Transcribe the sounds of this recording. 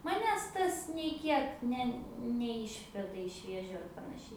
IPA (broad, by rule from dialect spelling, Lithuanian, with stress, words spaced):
mɐˈnʲæːs ˈtɐs nʲɛɪ ˈkʲiɛk ˈnʲɛ nʲɛˈɪʃʲʋʲɛdɐ ɪʃ ˈʋʲeːʒʲʊ ɐr pɐnɐˈʃʲɛɪ